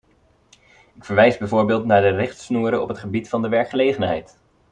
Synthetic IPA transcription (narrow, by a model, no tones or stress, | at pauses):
ɪkfəɹʋɛjzbɛjvoːɹbɪːlˠtnaːɹdərɪχtsnuːɾəɔ̰pɦətχəbitfɑndəʋɛɹkχəlejχənɦɛ̰jt